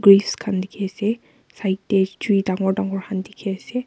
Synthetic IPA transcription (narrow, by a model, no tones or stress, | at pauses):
ɡɹifskʰandikʰiasɛ | saitɛd͡ʒuidaŋɔɹdaŋɔɹkʰandikʰiasɛ